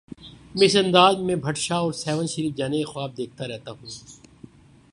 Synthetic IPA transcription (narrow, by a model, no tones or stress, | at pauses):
mɪsə̃nd̪aːzmẽbʱɐʈʃaɔːɾsɛːʋə̃nʃəɾiːfd͡ʒaːnexʊaːb̚d̪eːk̚ʰt̪aɾɛɦt̪aɦũː